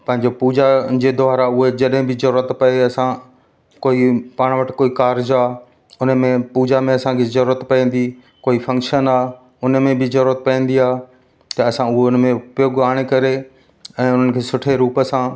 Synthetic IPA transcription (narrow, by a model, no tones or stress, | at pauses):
pɐ̃ɦɪ̃ɲd͡ʑopuːd͡ʑad͡ʑed̪ɔaːɾaʊɦed͡ʑɐɗɦɪ̃bɪzɐɾuːɾət̪pɐeɐsã | koːipaːɽ̃ʋəʈkoːikaːɾɪd͡ʑaː | ʊnmẽpuːd͡ʑamẽɐsãkʰezɐɾuːɾət̪pɐĩːn̆d̪i | koːifɐ̃ŋkʃənaː | ʊnmẽbɪzɐɾuːɾət̪̚pɐĩːn̆d̪iaːɦ | t̪ɐɐsãʊɦeʊnmẽʊpjoːɡaːɽ̃ekɐɾe | ɛ̃ːʊn̤ənɪ̆kʰeːsʊʈʰeɾuːpəsãː